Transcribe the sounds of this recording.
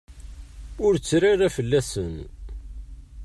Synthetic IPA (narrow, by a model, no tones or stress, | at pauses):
ʊɾt͡sːɾaɾæfəlːæsən